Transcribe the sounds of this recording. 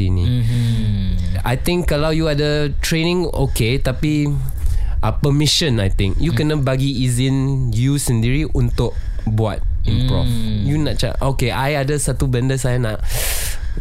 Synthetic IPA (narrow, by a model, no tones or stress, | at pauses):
inḭ̃ | a̰jt̪ɪ̃ŋkːalawjuadətɹenɪ̃ŋ | o̰ket̪api | ʔəpəmĩʃə̃najt̪ɪ̃ŋkjukənãbaɡiːzɪ̃njusəndiɾiʔunt̪ʊʔ̚bua̰t̪̚ĩmpɹɔ̰fjunãʔ̚t͡ʃa̰ʔokeʔajadəsat̪ubəndəsajanãʔ